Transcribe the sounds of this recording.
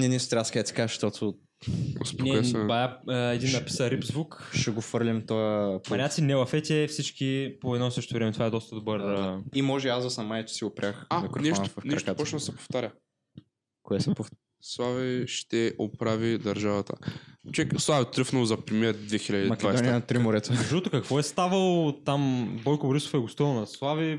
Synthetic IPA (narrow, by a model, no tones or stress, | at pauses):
nɛnist̪ɾʲabskad̪ət̪i̥kazəʃt̪ot̪ʰʊ | o̰spoɛkːɛbajaɛd̪inːɐpi̥səɾipzvukʃɛɡofəɾlʲimt̪oəmɐnʲat̪sinɛvɐfɛt̪ʲɛfsit͡ʃkipoɛd̪nɔsɤʃt̪ovɾɛmɛt̪ovaɛd̪ɔst̪əd̪obəɾimɔʒɛazd̪ɐsɐmːajɛt̪ʊ̥siɡʊpɾʲʔaxamikɾofɛʃnovɐfnk̪ɾɛɐkat̪pɔt͡ʃnsɛpo̥ft̪aɾʲɐ | koɛsɛpof | slˠaviʃt̪ɛʔopɾavid̪ɐɾʒavɐt̪ə̰t͡ʃɛkslˠavt̪ːɾəfnəlˠzɐpɾɛmiɛɾd̪vɛxilʲɐd̪imɐdkʲɛaj̪dɔniɛnɐt̪ɾimʊɾɛt̪ozɐʃɔt̪ʊkɐkvɔɛst̪avɐlˠot̪ambɔjkʊboɾiso̥fɛɡʊst̪ilˠnɐslˠavi